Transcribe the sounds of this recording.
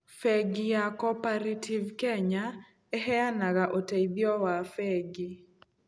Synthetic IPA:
fɛɡijakɔpaɾetʰivkɛɲa | ɛɦɛanaɡaʔoteid̪jɔwafɛɡi

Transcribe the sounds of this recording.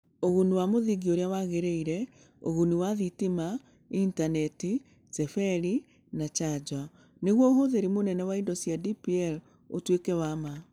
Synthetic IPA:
oɣuniwamoðiɡioɾeawaɣeɾeiɾɛ | o̰ɣuniwaðitima | intanɛti | sɛfɛɾi | nat͡ʃad͡ʑwa | neɣwɔoɦoðeɾimonɛnɛwaindɔsjadipiɛl | otwekɛwama

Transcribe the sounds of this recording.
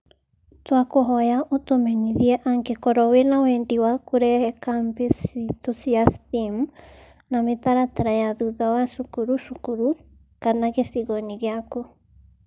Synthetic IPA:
twakoɦɔjaʔotomɛɲiðiɛʔaŋɡekɔɾɔwenawɛndiwakoɾɛɛkampisitosiastim | nametaɾataɾajaðuðawaʃukuɾuʃukuɾu | kanaɣesiɣɔniɣeako

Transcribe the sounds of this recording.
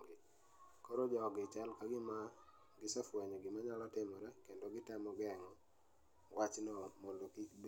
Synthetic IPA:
ɡɪ | kɔɾɔd͡ʒɔɡɪt͡ʃalkaɡɪma | ɡɪsafwɛɲɔɡɪmaɲalɔtɪmɔɾakendoɡɪtamɔɡɛŋɔ | wat͡ʃnɔmɔlokitb

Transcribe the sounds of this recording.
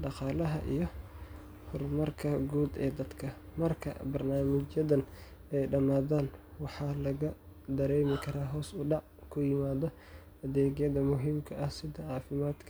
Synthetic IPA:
ɖɑqɑːlɐɦɐʔḭjɞ | hʊrmɐrkʰɐɡuːd̪ɛ̰ːd̪ɐd̪kʰɐmɐrkʰɐ̰bɐrnaːmɪt͡ʃjɐðɐn | ɛjɖɐmaːðaːnwɑħɑːlɐɣɐd̪ɐɾɛjmɪkʰɐɾaːɦɔːsʊɖɑʕ | kʰʊjɪmaːðɔ | ʔɐðɛːɡjɐðɐmʊɦiːmkʰɐʔɐhsɪðɐɑːfɪmaːd̪kʰɐ

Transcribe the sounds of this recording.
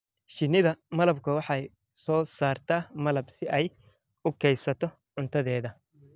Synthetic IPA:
ʃɪnɪðɐmɐlɐbkʰʊwɑħɑj | sɔːsaːrt̪ʰaːmɐlɐbsɪʔɛj | ʊkʰɛjsɐt̪ʰɔ | ʕʊnt̪ʰɐðɛːðɐ

